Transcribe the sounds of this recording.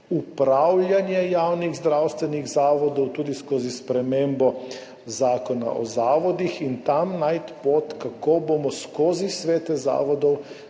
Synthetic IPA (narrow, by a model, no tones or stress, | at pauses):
upɾawlʲjanjɛjaːwniɣzd̪ɾawst̪ʋɛniɣzaːʋɔd̪ɔwt̪uːd̪iskoːzispɾɛmembɔ | zaːkɔna̰ʔɔ̰zaːʋɔd̪ixint̪amnajt̪pot̪kakoːboːmɔskoːzisʋeːt̪ɛza̰ːʋɔd̪ɔw